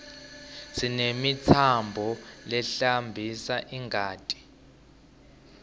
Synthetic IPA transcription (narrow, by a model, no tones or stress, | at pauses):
sinemitʰambʱɔlɛɬambʱisaʔiŋɡʱaːtʼi̥